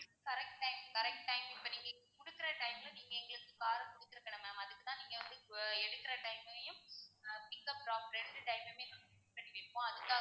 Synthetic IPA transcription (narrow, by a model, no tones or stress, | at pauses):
kɐɾɛk̚ʈʈɐɪmkɐɾɛk̚ʈʈɐɪmɪpːɐniːŋɡɐkʊɽɯkːɪɾɐʈɐɪmlɐ̃niːŋɡɐɛŋɡɐɭɯkːɯkaːɾɐkʊɽɯt̪ːɪɾɯkːɐɳɐmaːmɐðɯkːɯt̪ãːniːŋɡɐʋɐnd̪ɯɛɽɯkːɪɾɐʈɐɪmɐjʊ̃pɪkːɐpɾaːpɾɛɳɖɯʈɐɪmɐmeːsɔnɪpɐɳːɪʋeːpːõːɐðɯkːãː